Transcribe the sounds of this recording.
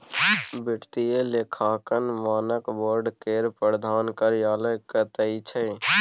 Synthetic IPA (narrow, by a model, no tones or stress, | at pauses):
bɪʈʰt̪ielekʰaːkənʋaːnəkboːɾɖkeːɾpɾəɾəd̪ʱaːnkəɾɪjaːləjkət̪əit͡ʃʰə